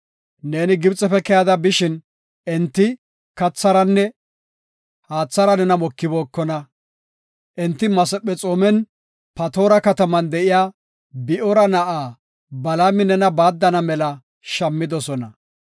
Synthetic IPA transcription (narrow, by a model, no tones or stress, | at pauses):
ne̞ːnɪɡɪbt͡sʼɛfɛkɛjɐd̪ɐbɪʃɪn | ɛnt̪ːɪ | kɐt͡sːɐɾɐnːɛ | haːt͡sːɐɾɐnɛnɐmɔkːɪbo̞ːkːɔnɐ | ʔɛnt̪ːɪmɐsɛpːɛt͡sʼoːmɛn | pɐt̪o̞ːɾɐkɐt̪ɐmɐnd̪ɛʔɪjaː | bɪʔɔɾɐnɐʔaː | bɐlamɪnɛnɐbaːd̪ːɐnɐmɛlɐ | ʃɐmːɪd̪ɔsɔnɐ